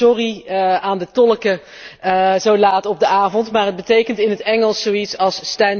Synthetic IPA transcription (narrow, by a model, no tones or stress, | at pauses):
ɔriaːndətɔləkə | zowlaːtɔb̚dəaːvɔntmaːɹɦəd̚bətejkəntɪnɦətɛŋəlˠssowitsɑlˠsːtɛn